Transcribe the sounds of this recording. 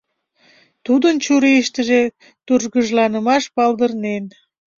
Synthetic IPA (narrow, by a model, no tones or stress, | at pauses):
t̪ud̪ənt͡ɕuɾiʃt̪əʒe | t̪uʒɣəʒlɑnəmɑʃpɑlˠd̪ərnen